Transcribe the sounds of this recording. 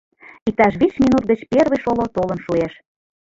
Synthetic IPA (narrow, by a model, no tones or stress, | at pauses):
it̪ɑʃβit͡ɕminut̪̚ɡət͡ɕperβə̆jʃolot̪olənʃueʃ